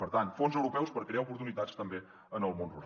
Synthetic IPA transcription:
pəɾt̪ant̪fonzəwɾupɛwspəɾkɾiaupuɾt̪unit̪ast̪əmbe | ənəlˠmõnruɾa

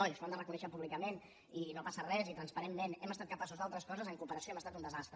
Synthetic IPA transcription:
ɔʎsfamd̪ərəkunɛʃəpuβlikəmen | inopasərɛzit̪ɾənspəɾemːenɛməst̪at̪̚kəpasuzðalˠt̪ɾəskɔzəzəŋkupəɾəsioɛməst̪at̪und̪əzast̪ɾə

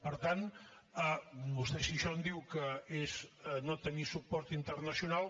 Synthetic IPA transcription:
pəɾt̪an | ənust̪esiʃɔnd̪iwkəeznot̪ənisupɔɾt̪int̪ərnəsiunalˠ

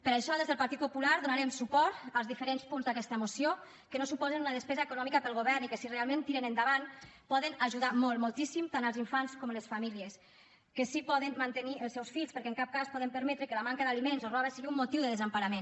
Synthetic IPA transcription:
pəɾaʃɔðezðəlˠpaɾt̪it̪̚pupulaɾðunaɾɛmsupɔɾt̪alˠzðifəɾenspunzðakɛst̪əmusio | kənosupɔzənunəðəspɛzaekunɔmikəpəlˠɣ̞oβɛɾnikəsirealˠmẽnt̪iɾənənd̪aβanpɔðənaʒuðamɔlˠmolˠt̪isimt̪anəlziɱfanskɔmləsfamiliəs | kəsipɔðənmant̪əniʔəlˠsɛwsfiʎspəɾkɛəŋkap̚kaspɔðəmpəɾmɛt̪ɾəkələmaŋkəðalimenzorɔβəsəɣiumːut̪iwðəðəzampaɾamen

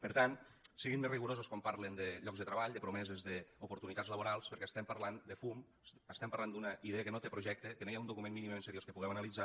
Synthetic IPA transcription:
pəɾt̪an | siɣinmeriɣuɾozuskwampaɾlend̪əʎɔɡzðət̪ɾəβaʎd̪əpɾumɛzezðəupuɾt̪unit̪add͡zzləβuɾalˠspəɾkɛst̪ɛmpəɾland̪əfum | əst̪ɛmpɐɾland̪unəiðeəkənot̪epɾuʒɛk̚t̪ek̪enejaund̪ukumenminimemensəɾjoskəpuɣɛwɐnəlid͡za

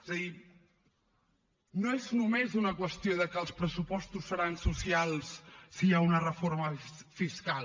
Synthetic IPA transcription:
ezəði | noeznumezunəkwəst̪ioðəkəlˠspɾəsupɔst̪usːəɾansusialˠssiaunərəfoɾməfiskal

